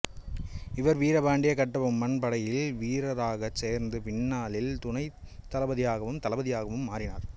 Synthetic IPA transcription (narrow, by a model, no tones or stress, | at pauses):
ɪʋɐɾʋiːɾɐbaːɳɖɪjɐkɐʈːɐʋɐmːɐnpɐɽɐjɪlʋiːɾɐɾaːɣɐseːɾnd̪ɯpɪɳːaːlɪlt̪ʊnɐɪt̪ːɐlɐbɐðɪjaːɣɐʋɯmt̪ɐlɐbɐðɪjaːɣɐʋɯmːaːɾɪna̰ːɾ